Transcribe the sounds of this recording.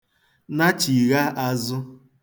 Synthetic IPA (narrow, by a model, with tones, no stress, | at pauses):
na˦t͡ʃi˨ɣa˦ʔa˦zʊ˦